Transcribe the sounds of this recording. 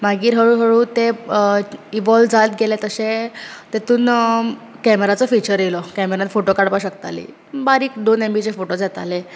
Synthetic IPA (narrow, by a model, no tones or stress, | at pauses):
maɡiːɾɦəɭuːɦəɭuːt̪e | iʋɔld͡zat̪ɡelet̪əsẽt̪et̪uːn | kɛmeɾat͡sɔfit͡ɕəɾjelɔkɛmeɾãfoʈokaɽpaɕəkt̪a̰lḭː | baɾiːkd̪onembit͡ɕefoʈod͡zat̪a̰le